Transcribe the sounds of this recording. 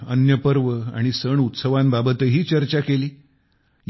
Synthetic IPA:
ənjəpəɾʋəa̰ɽ̃isəɳut̪səʋãmbabət̪əɦiːt͡ɕəɾt͡ɕakeliː | j

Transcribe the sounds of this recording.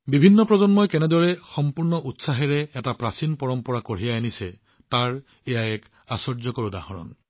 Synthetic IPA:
bibʱinːɔpɹɔzɔnmɔjkɛnɛdɔɹɛxɔmpuɹnɔʔutsaɦɛɹɛɛtapɹasinpɔɹɔmpɔɹakoɹijaanisɛ | taɹ | ejaɛk | asɔɹzɔkɔɹuda̰hɔɹɔ̰n

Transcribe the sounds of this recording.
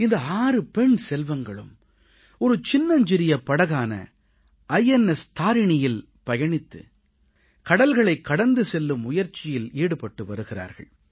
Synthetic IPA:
ɪnd̪ɐaːrɯpɛɳsɛlʋɐŋɡɐɭɯm | ɔɾɯt͡ʃɪnːɐɲd͡ʒɪɾɪjɐpːɐɽɐɣaːnɐ̰ | ʔɐjɛnɛst̪ʰaːɾɪɳɪjɪl | pɐjɐɳɪt̪ːɯ̰ | kɐɽɐlɣɐɭɐɪkːɐɽɐnd̪ɯsɛlːɯmːʊjɐɾt͡ʃɪjɪliːɽɯpɐʈːɯʋɐɾɯɣɪra̰ːɾɣɐ̰ɭ

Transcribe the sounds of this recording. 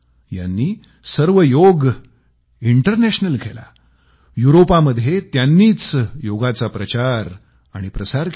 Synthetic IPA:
ja̰nːiː | səɾʋəjoɡ | iɳʈəɾnæɕnəlkʰela̰ | juɾopaməd̪ʱːjet̪janːiːt͡sjoɡat͡sapɾət͡ɕaɾ | aɽ̃ipɾəsaɾk

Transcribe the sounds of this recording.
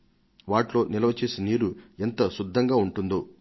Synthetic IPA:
ʋaːʈlo̞ːnilɐʋɐt͡ʃe̞ːsiniːɾuɛnt̪ɐsud̪ʱːɐŋɡaːuɳʈund̪o

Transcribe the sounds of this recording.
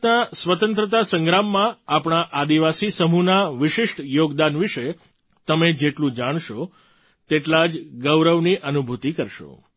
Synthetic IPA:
nasʋət̪ə̃nt̪ɾət̪asəŋɡɾamːãapɽ̃aʔad̪iʋasisəmunaʋɪʃɪʃʈjoɡd̪anʋiʃe | t̪əmed͡ʒeʈlũd͡ʒaɽ̃ʃo | t̪eʈlad͡ʒɡəwɾəʋniʔənubʱut̪ikəɾʃo̰

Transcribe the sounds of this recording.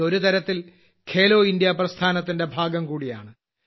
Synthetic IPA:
o̞ɾut̪ɐɾɐt̪ːil | kʰe̞ːloːindjɐprɐst̪ʰaːnɐt̪ːinde̞bʱaːɡɐmkuːɽija̰ːɳɨ

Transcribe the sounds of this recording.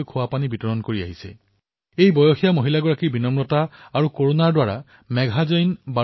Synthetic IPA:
jkʰʊwapanibitɔɹɔnkoɹia̰ɦisɛ̰ | ejbɔjoxijamoɦilaɡɔɹakiɹbinɔmɹɔtaːɹukoɹonaɹdwaɹa̰ | mɛɡʱazɔjnba

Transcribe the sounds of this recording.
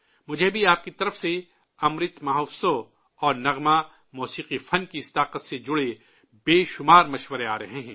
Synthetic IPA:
mʊd͡ʒʱebʱiaːp̚kit̪ɐɾəfse | ɐmɾɪt̪maɦofsõ | ɔːɾnɐɣma | mɔːsiːqifɐnkiɪst̪aːqət̪sed͡ʒʊɽe | beːʃʊmaːɾmɐʃwəɾea̰ːɾɐɦeɦɛ̃ː

